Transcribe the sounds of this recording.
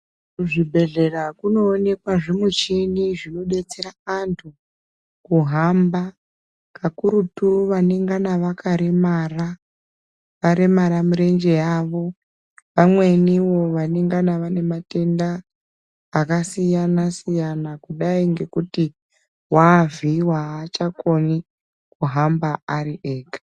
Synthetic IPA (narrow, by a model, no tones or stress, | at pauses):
ʐibʱe̞ɮe̞rakuno̞ːne̞kwaʐemut͡ʃiniʐino̞ɓɗe̞t͡se̞ɾaantʰu | kuɦamba | kakuɾutuʋaneŋɡanaʋakʰaɾemaːra | ʋaɾe̞maɾamuɾe̞nd͡ʒe̞jaʋo̞ | ʋamwe̞niʋo̞ʋaneŋɡanaʋane̞mate̞ndaː | kasijanasijanakuɗaiŋɡe̞kuti | waviwaːt͡ʃako̞ni | kuɦambaaɾiʔeːkḁ